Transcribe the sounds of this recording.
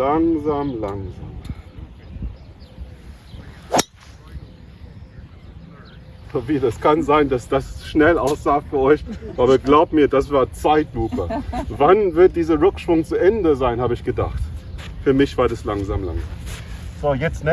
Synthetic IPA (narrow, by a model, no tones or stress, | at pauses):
laŋzaːmlaŋzaːm | bɐviːdaskʰanzaɪndasd̥asʃnɛlʔaʊsz̥aːfyːɐɔʏçvaːbɐɡlaʊbm̩miːɐdasv̥aːɐt͡saɪtluːpəvanvɪɐt̚d̥iːzɐʁʏkʃv̥ʊŋt͡suʔɛndəzaɪnhaːbəɪçɡ̥əda̰χt | fyːɐmɪçv̥aːɐdaslaŋzaːmla̰ŋzam | z̥oːjɛt͡sn